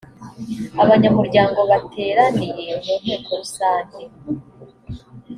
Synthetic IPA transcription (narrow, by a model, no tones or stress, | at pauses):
aβaɲamuɾɟaːŋɡo̞βatʰe̞ːɾanije̞munhe̞ːkʰo̞ɾusaːnde